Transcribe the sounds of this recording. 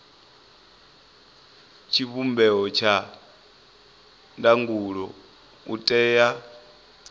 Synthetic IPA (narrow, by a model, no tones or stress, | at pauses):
t͡ʃʰiβumbɛɔt͡ʃʰa | ndaŋɡuɺɔ̰ | utʼɛːja